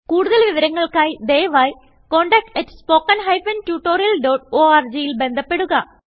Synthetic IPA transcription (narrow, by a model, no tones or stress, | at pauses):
kuːɽuðɐlʋiʋɐɾɐŋːɐɭkaːjd̪ejʋaːj | koːɳɖɐk̚ʈɐtspoːkːɐnɦɐjfɐntjuːʈːo̞ːɾijɐlɖoːʈoːaːrd͡ʑejilbe̞nd̪ʱɐpːe̞ɽuɣɐ